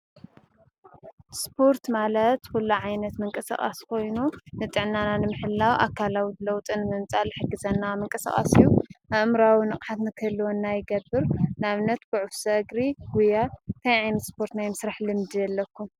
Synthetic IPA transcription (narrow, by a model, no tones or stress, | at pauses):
spʰo̞ɾt̪malɐt̪kulːuʕajnɐt̪mɨŋkʼɐsa̰χʼa̰skʰo̞jnunɨt̪ʼɨʕnananɨmɨħɨlːawʔa̰kʰalawilɐwt̪ʼɨnɨmɨmt͡sʼalɨħɨɡːɨzɐnːamɨŋkʼɐsa̰χʼa̰sijːuʔaʔmɾawinɨχʼħat̪nɨkʰɐlːuwonːajɪɡɐbːɨɾnɨaβnɐt̪ɡʊʕufsɐʔɨɡɾiɡ̥ujat̪ʰajʕajnɐt̪spʰo̞ɾt̪najmɨsɾaħlɨmd̪ijɐlːɐkʰːu